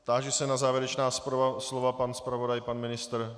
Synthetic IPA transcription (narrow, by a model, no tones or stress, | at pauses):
t̪aːʒɛsɛnazaːvjɛɾɛt͡ʃnaːsaslovapanspɾavo̞dajpanmɪnɪst̪ɾ